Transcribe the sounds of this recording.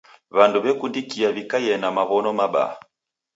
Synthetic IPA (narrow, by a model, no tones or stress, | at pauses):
βanduβɛkundikiaβikajɛnamaβɔnɔmaɓa̰a